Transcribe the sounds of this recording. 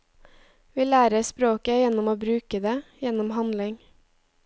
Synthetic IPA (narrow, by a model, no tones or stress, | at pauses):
ʋiːlæːɾəspɾoːkəjɛnɔmoːbɾʉːkəd̪eːjɛnɔmhɑnlɪŋ